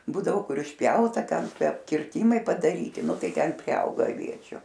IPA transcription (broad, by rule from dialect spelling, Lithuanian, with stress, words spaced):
ˈbuːdɐʋoː ˈkʊr ɪʃʲˈpʲjɛʊtɐ ˈtʲɛn ˈtʲiɛ kʲɪrʲˈtʲiːmɐɪ pɐdɐˈrʲiːtʲɪ nʊ ˈtɐɪ ˈtʲɛn pʲrʲɪˈɐʊɡɐ ɐˈʋʲiɛt͡ʃʲʊ